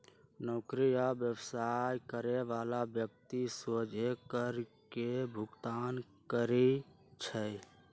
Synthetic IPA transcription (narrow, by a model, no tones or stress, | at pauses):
nokɾijabjəwsajkəɾeʋalabjək̚t̪isod͡ʒʱekəɾkebʱʊɡt̪aːn | kəɾi | t͡ʃʰə